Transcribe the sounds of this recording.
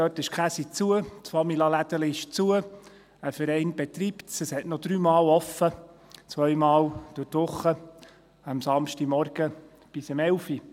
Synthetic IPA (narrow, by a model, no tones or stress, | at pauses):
døːtɪʃkχæsit͡suətfɑmilɑlæd̥̪əliɪʃt͡suə | əfəɾɛɪnbet̪riːptsəshɛtnɔd̪ɾyːmɑːwɔfːət͡sʋœjmɑːwd̥ʊtʋʊχːə | əmsɑmʃtimɔɾɡ̥ə | b̥ɪsəmɛwfi